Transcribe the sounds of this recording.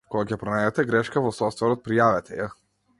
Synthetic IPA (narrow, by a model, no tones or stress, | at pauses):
kɔɡakʲɛpɾɔnajd̪ɛt̪ɛɡɾɛʃkavɔsɔft̪vɛɾɔt̪̚pɾijavɛt̪ʰɛja